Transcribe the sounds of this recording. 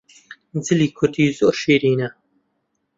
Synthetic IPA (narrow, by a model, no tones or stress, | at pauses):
d͡zɨliːkʰʊt̪iːzoːɾʃeːɾiːnɐ